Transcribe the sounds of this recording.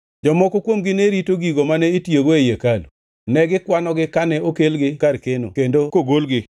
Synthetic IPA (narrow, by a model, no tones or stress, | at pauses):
d͡ʒɔmɔkokwomɡɪneɾitoɡiɡomanɛitjeɡoejekal | nɛɡɪkwanɔɡɪkanɛokelɡɪkarkeno̰kendokoɡolɡɪ